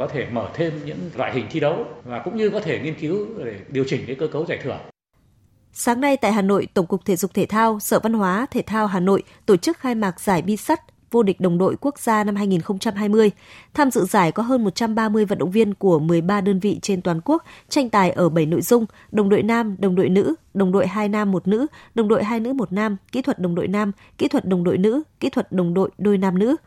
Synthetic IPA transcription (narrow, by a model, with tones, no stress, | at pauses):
kɔ˨˦t̪ʰe˧˩məː˧˩t̪ʰe˧mɲɨ̰˧˥ŋlwa̰ː˧˨jɦï˨˩ŋ̟t̪ʰi˧ɗə˨˦wvaː˨˩kʊ̰˧˥ŋ͡mɲɨ˧kɔ˨˦t̪ʰe˧˩ŋi˧ənki˨˦wɗe˧˩ɗi˨˩əwt͡ɕï˧˩ŋka˨˦kəː˧kə˨˦wzaː˧˩jt̪ʰɨ˧˩ə | saː˨˦ŋna˧jt̪a̰ː˧˨jɦaː˨˩no̰˧˨jt̪ə˧˩wŋ͡mkʊ˨˩k͡p̚t̪ʰḛ˧˨˩zʊ˨˩k͡p̚t̪ʰe˧˩t̪ʰaː˧wsəː˧˩va˧nɦwaː˨˦t̪ʰe˧˩t̪ʰaː˧wɦaː˨˩no̰˧˨jt̪o˧˩t͡ɕɨ˦˥k̚xaː˧jmaː˨˩k̚z̥aː˧˩jɓi˧sa˦˥t̚ | vo˧ɗï˨˩k̟̚ɗə˨˩wŋ͡mɗo̰˧˨jku˦˥ək̚z̥aː˧na˧mhɦaː˧jŋi˨˩nxə˧wŋ͡mt͡ɕa˧mɦaː˧jmɨ˧əj | t̪ʰaː˧mzɨ̰˧˨zaː˧˩jkɔ˨˦ɦəː˧nmo˨˩t̚t͡ɕa˧mɓaː˧mɨ˧əjvə˨n̚ɗə̰˧˨wŋ͡mvi˧ənku˧˩əmɨ˨˩əjɓaː˧ɗəː˧nvḭ˧˨t͡ɕe˧nt̪waː˨˦nku˦˥ək̚t͡ɕa˧jŋ̟t̪aː˨˩jʔəː˧˩ɓə˧˩jno̰˧˨jzʊ˧ŋ͡m | ɗə˨˩wŋ͡mɗo̰˧˨jnaː˧mɗə˨˩wŋ͡mɗo̰˧˨jnɨ̰˧˥ɗə˨˩wŋ͡mɗo̰˧˨jɦaː˧jnaː˧mːo˨˩t̚nɨ̰˧˥ɗə˨˩wŋ͡mɗo̰˧˨jɦaː˧jnɨ̰˧˥mo˨˩t̚naː˧mkḭ˧˥t̪ʰwə˨˩t̚ɗə˨˩ŋ͡mɗo̰˧˨jnaː˧m | kḭ˧˥t̪ʰwə˨˩t̚ɗə˨˩wŋ͡mɗo̰˧˨jnɨ̰˧˥kḭ˧˥t̪ʰwə˨˩t̚ɗə˨˩wŋ͡mɗo̰˧˨jɗo˧jnaː˧mnɨ̰˧˥